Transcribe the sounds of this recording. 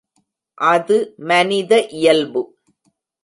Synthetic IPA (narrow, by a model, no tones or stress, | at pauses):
ʔɐðɯmɐnɪðɐʔɪjɐlbɯ